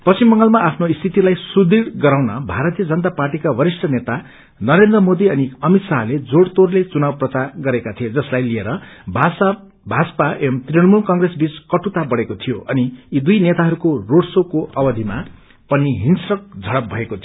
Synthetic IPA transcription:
pʌst͡simbʌŋɡʌlmaapʰnoist̪ʰit̪ilajsud̪iɽɡʌɾawnʌbʱaɾʌt̪ijʌd͡zʌnʌt̪aparʈikabʌɾisʈʌnet̪a | nʌɾend̪rʌmod̪iʌniʌmit̪saɦled͡zoɽt̪orlet͡sunabprʌt͡saɡʌɾekat̪ʰijod͡zʌslajlieɾʌbs | bʱad͡zpaʔemt̪reɽmulkʌŋɡresbit͡skʌʈut̪abʌɽekot̪ʰijoʔʌniːd̪ujnet̪aɦʌɾukoroɽsokoʔʌbʌd̪ʱima | pʌniɦinsrʌk̚d͡zʱʌɽʌp̚bʱʌekot̪ʰijo

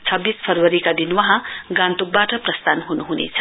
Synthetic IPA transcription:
t͡sʰʌbːispʰʌrwʌɾikad̪inwʌɦãɡãnt̪uk̚baʈʌprʌst̪anɦunuɦunḛt͡sʰʌ̥

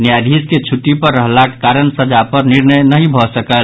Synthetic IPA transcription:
njad̪ʱisket͡ʃʰuʈːipəɾːəɦlake̥kaɾənsəd͡ʒapəɾniɾnəjnəɦĩbʱɔsəkəl

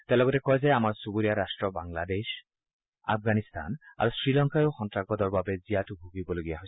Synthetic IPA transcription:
tɛ̃lɔɡɔtɛkɔjzɛamaɹsubuɹijaɾastɹɔbaŋlades | a̰pʰɡanist̪ʰa̰na̰ɹusɹilɔŋkajoxɔntɹak̚bɔdɔɹbabɛzijatʊbʱuɡibɔloɡijaɦoj

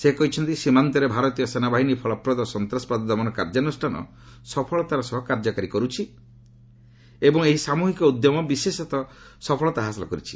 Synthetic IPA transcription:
sekɔɦit͡ʃʰɔnt̪isimant̪ɔɾebʱaɾɔt̪ijɔsenabaɦinipʰɔɭɔpɾɔd̪ɔsɔnt̪ɾasɔ̥pad̪ɔd̪ɔbɔnɔkaɾd͡ʒanusʈʰanɔ̰ | sɔpʰɔɭɔt̪aɾɔsɔɦɔkaɾd͡ʒɔkaɾikɔɾut͡ʃʰi | ebɔŋeɦisamuɦikɔud̪jɔmɔbisesɔt̪ɔ | sɔpʰɔɭɔt̪aɦasɔlɔ̰kɔɾit͡ʃʰi̥

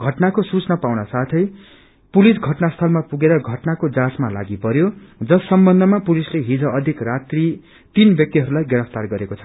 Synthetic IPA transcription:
ɡʱʌʈnakosut͡snʌpawnʌsat̪ʰʌj | pulisɡʱʌʈnast̪ʰʌlmapuɡeɾʌɡʱʌʈnakod͡zasmala̰ɡipʌɾjod͡zʌsːʌmbʌnd̪ʱʌmapulisleɦid͡zʌʌd̪ʱikrat̪ri | t̪inbjʌk̚t̪iɦʌɾulajɡʌɾʌpt̪arɡʌɾekot͡sʰʌ̥

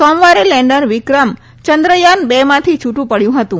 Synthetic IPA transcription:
sɔmʋaɾelɛɳɖənʋɪkɾəm | t͡ʃənd̪ɾəjanbemãt̪ʰit͡ʃʰuʈũpəɽjũɦət̪ũ

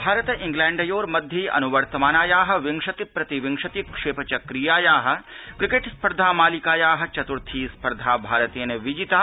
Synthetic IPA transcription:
bʱaːɾɐt̪ʔɪ̃ŋɡlɛ̃ːɳɖɐjoːɾmɐd̪ʱjɐjʔɐ̰nuʋɐɾt̪ɐmaːnaːjaːɦɐ̆ʋɪŋʂɐt̪ipɾɐt̪iʋɪ̃ŋʂɐt̪ikʂeːpɐt͡ʃɐkɾijaːjaːɦɐ̆kɾɪkeʈspɐɾd̪ʱaːmaːlikaːjaːɦɐ̆t͡ʃɐt̪uɾt̪ʰiːspɐɾd̪ʱaːbʱaːɾət̪eːneʋid͡ʒit̪aː

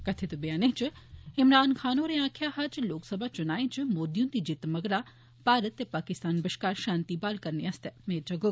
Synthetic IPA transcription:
kɐt̪ʰet̪ubijaːneɦt͡ʃɪɪmɾaːnkʰaːnoːɾeãːkʰjaːɦat͡ʃloːksɐbʱaːt͡ʃʊnaːẽt͡ʃɨmoːd̪ijũnt̪id͡ʒɪt̪mɐɡɾaː | paːɾət̪jepaːkɪst̪aːnbɪʃkaːɾʃaːnt̪iːbaːlkɐɾneɐst̪emeːd͡ʒɐɡo

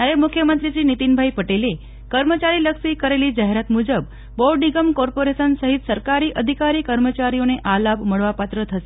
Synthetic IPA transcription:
aɾemukʰjəmənt̪ɾit͡ɕiːnit̪inbʱaipəʈele | kəɾmət͡ɕaɾiːləkʂikəɾeliːd͡ʑaɦeɾat̪mud͡ʑəbː | ɔɭɖniɡəmkɔɾpoɾesənsəɦit̪səɾkaɾiːʔəd̪ʱikaɾiːkəɾmət͡ɕaɾijoneʔalapməɭʋapat̪ɾət̪ʰəse̥

